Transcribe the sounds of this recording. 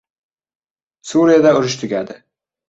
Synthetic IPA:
suɾijad̪aʊɾɪʃt̪ʰʊɡʲad̪ɪ

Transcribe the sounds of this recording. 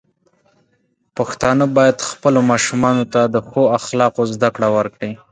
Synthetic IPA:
paxt̪ɑnəbɑjad̪xpəlomɑʃumɑnot̪ad̪əxoaxlɑqozd̪akɽawəɾkɽi

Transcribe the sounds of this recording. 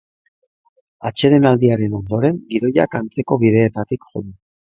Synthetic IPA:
at͡ʃe̞ðe̞nald̪iaɾe̞no̞nd̪o̞ɾe̞ŋɡiðo̞ja̰kant͡se̞ko̞βið̞e̞ːt̪at̪ikxo̞̰ðu

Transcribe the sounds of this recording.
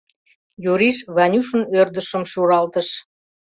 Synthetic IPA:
joɾiʃβɑnʲuʃə̆nørd̪əʃəmʃuɾɑlt̪əʃ

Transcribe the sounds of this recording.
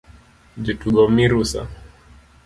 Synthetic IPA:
d͡ʒituɡɔmiɾusa̰

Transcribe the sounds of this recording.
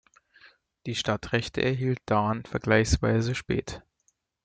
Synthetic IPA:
d̥iːʃtatʁɛçtə̰ʔɛɐɦiːlt̚d̥aːnfɛɐɡlaɪçsv̥a̰ɪzəʃpɛ̰ːt

